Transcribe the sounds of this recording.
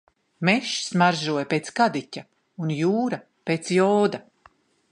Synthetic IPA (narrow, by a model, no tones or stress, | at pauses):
mɛʃsmaɾʒuɔjpeːt̪skad̪icʲa | unjuːɾɐ | peːt̪sjɔːd̪a